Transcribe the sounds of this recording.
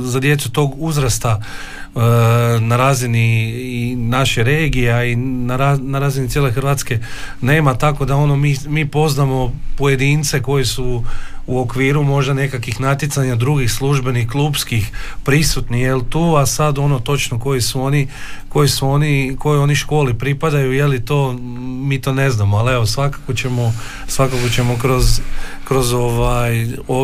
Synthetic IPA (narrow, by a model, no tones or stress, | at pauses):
zad̪je̞t̪sut̪o̞ːɡuzɾast̪a | naɾaːzini | inaʃeɾe̞ːɡijeainaɾanaɾaːzinit̪sjele̞xr̩ʋat̪ske̞ | ne̞ːmat̪ako̞d̪ao̞no̞mimiːpo̞znamo̞poje̞d̪int̪se̞ko̞jesuː | o̞kʋiːɾumo̞ʒd̪ane̞kakʋixnat̪jet̪saɲad̪ɾuɡixslˠuʒbe̞nixklˠuːpskixpɾisut̪nijelt̪uːasad̪o̞no̞t̪o̞t͡ʃnoko̞jisuo̞ni | ko̞jisuo̞niko̞jeo̞niʃko̞ːlipɾipad̪ajuje̞lit̪o̞ː | miːt̪o̞ːne̞znamoale̞ʋo̞sʋakako̞t͡ɕe̞mo̞ | sʋakako̞t͡ɕe̞mo̞kɾo̞z | kɾo̞zoʋajo